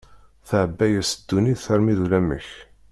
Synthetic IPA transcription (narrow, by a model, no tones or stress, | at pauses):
θəʕəbːæjæsəd̪̥ːuniðθəɾmiðulæmə̰ç